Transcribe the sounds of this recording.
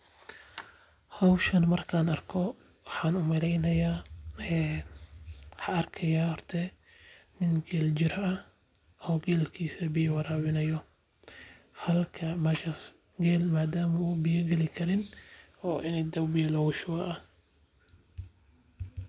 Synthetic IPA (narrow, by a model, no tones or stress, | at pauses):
hɔwʃɐnmɐrkʰaːnɐrkʰɔ | wɑħaːnʊmɐlɛjnɐjaːɛː | ħɑɐrkʰɐjaːhɔrt̪ʰɛ | nɪnɡɛːld͡ʒɪɾɐɐ | ɔːɡɛːlkʰiːsɐbɪjwɑɾaːwɪnɐjɔ | hɐlkʰɐmɐʃɐs | ɡɛːlmaːd̪aːmɐubɪjɐɡɛlɪkʰɐɾɪnɔːʔɪnɛjd̪ɐwbijɛlhɔwʃʊɐʔɐ